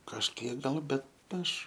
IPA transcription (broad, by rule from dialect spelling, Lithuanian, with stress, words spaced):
kɐʃʲˈkʲiɛk ˈɡɐlˠ ˈbʲɛt ˈɐʃ